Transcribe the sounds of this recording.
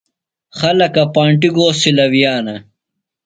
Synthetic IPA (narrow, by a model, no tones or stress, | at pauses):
xɐlɐkɐpaːɳʈiɡoːsilɐwjaːnɐ